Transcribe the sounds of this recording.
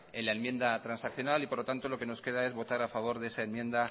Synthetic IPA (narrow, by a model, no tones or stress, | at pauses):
enlaemje̞nd̪at̪ɾansakθjo̞nalipo̞ɾlot̪ant̪o̞lo̞ke̞no̞ske̞ð̞ae̞zβo̞t̪aɾafaβ̞o̞ɾðeesaenmje̞nd̪a